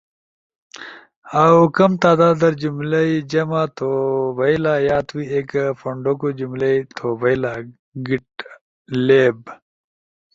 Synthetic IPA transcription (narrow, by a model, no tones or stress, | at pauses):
awkɐmt̪aːd̪aːd̪ɐɾd͡ʑumlɐid͡ʑɐmat̪ʰobɐilaːjaːt̪wieːkfoɳɖokod͡ʑumlɐit̪ʰoːbɐila | ɡiʈ̚ | leːb